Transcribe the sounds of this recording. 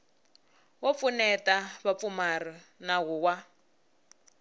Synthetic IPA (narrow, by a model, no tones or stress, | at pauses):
wɔp̪funɛtaβap̪fumarɔnaɣuwa